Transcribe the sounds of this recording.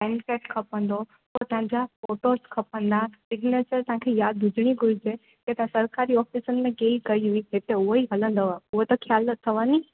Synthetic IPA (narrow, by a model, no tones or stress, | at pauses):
pɛ̃ɳɖkeʈkʰəpə̃nd̪o | ot̪əɦãd͡ʑafoʈoskʰəpə̃nd̪asɪɡnet͡ʃəɾt̪ɦãkʰejaːd̪ːud͡ʒɽ̃iɡʱuid͡ʒʰe | ket̪ãsəɾkaɾiɔːfisənmẽkelkəiɦuiɦet̪eʊɦoiɦɐlə̃nd̪əʋaʊɦot̪ɔkʰjalːət̪ʰːəʋani